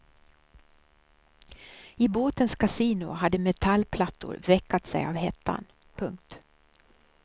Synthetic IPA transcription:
ɪboːt̪ənskʰasiːnʊ̰ɦad̪ːəmɛt̪ʰalːpʰlat̪ːʊ̰ɾvɛkʰːat̪sɛ̰ja̰vɦɛt̪ʰːa̰n | pʰɵŋk̚t̪

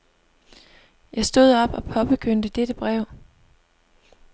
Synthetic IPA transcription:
jɑ̈ɪsd̥o̝ð̰ˠɒ̽b̥ɒ̽pʰɒ̽b̥əkʰøn̰d̥əd̥ed̥əb̥ʁɛʊ̰

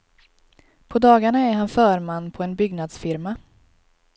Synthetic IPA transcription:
pʰɔd̪ɑːɡaɳaɛɾɦanfœːɾmanːpʰɔɛnbʏɡnad̪sfɪɾma

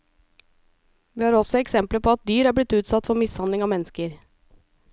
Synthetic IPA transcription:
ʋiːhɑːɾɔsɔɛksɛmpləpʰɔɑt̪̚d̪yːɾæːblɪt̪ʉːt̪sɑt̪fɔɾmɪshɑnd̪lɪŋɑːmɛnːəskəɾ

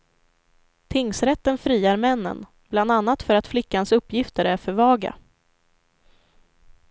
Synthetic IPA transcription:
t̪ʰɪŋsɾɛt̪ːənfɾiːaɾmɛnːə̰n | bland̪anːat̪fœɾat̪flɪkːansɵpːjɪft̪əɾæɾfœɾvɑːɡa̰

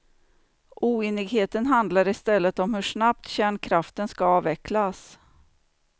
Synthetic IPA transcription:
ʔuːeːnɪɡɦeːt̪ənɦand̪laɾɪst̪ɛlːət̪ɔmhɵʂnapt̪ɕæːɳkʰɾaft̪ənskaɑːvɛkʰlas

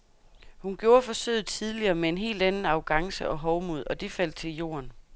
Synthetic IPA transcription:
hunɡ̥jo̝ːɐfɒ̽søːð̩ˠt͡sʰiðˠliɐːmee̝nɦe̝̰ːld̥ænn̩ɑ̈ʊɡ̥ɑ̈ŋsəʔɒ̽ɦɒʊmuð̞̰ˠɒ̽d̥e̝fæl̰d̥̚t͡sʰe̝ljo̝̰ːɐn

